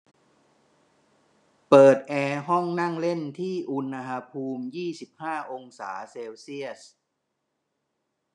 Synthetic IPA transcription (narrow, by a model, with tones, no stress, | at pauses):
pɤː˨˩t̪̚ʔɛː˧ɦɔ˥˩ŋna˥˩ŋle˥˩nt̪ʰiː˥˩ʔu˧nːa˧ɦa˧pʰuː˧mjiː˥˩si˨˩p̚haː˥˩ʔo˧ŋsa̰ː˩˦seː˧wsi˥˩əs